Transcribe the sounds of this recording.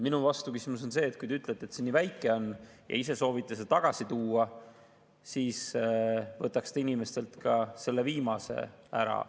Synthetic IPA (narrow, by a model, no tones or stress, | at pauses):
minuvɑst̪ukysmus̬o̞nse̞ːt̪̚ˑkujt̪eyt̪ːˑlet̪ːet̪sinːivæjkːˑe̞o̞nː | jɑ̰ise̞so̞ːvit̪ːˑɑs̬et̪ɑɡ̥ɑsit̪uːɑ | siːs | vɤt̪ːˑɑkst̪ɑinime̞st̪e̞lt̪kɑse̞lːe̞viːmɑse̞̰æ̰ɾɑ̰